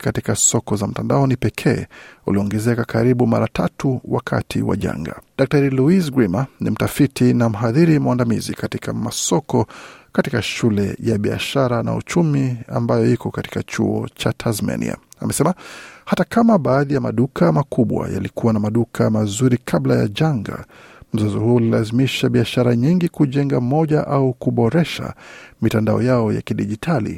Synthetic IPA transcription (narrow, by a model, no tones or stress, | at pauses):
katikasɔkɔzam̩tandaɔnipɛkʰɛːuliɔŋɡɛzɛkakaɾiɓumaɾatʰatuwakʰa̰tʰiwa̰ʄa̰ŋɡa̰ɗak̚taɾiluisɡɾimanḭm̩tafitinam̩ɦaðiɾimwandamizḭkatikamasɔkɔkatikaʃulɛjaɓia̰ʃaɾana̰ṵt͡ʃumia̰mbajɔikɔkati̥kat͡ʃṵɔ̰t͡ʃatʰazmɛ̰nḭa̰a̰mʔɛsɛmahatakamaɓaːðijamaɗukamakuɓwa̰ja̰likuwanamaɗukʰamazuɾikʰablaja̰ʄaŋɡa̰m̩zɔzɔhuɔlilazimiʃaɓiaʃaɾaɲiŋɡikuʄɛŋɡam̩mɔʄaʔaukuɓɔɾɛʃa̰mitandaɔ̰jaɔja̰kiɗiʄitʰalḭ